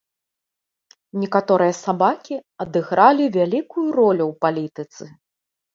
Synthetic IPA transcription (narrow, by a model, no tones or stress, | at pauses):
nʲɛkat̪ɔɾɨjɐsabakʲiɐd̪ɨɣɾalʲivʲalʲikujuɾɔlʲuwpalʲit̪ɨt̪sɨ